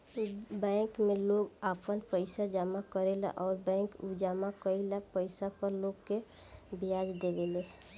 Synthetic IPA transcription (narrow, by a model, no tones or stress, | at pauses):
bɛ̃ːkmeloɡapənpəɪsad͡ʒamakəɾela̰ʔɔːɾbɛ̃kud͡ʒamakəilapəɪsapəɾloɡke | bijad͡ʒd̪ebele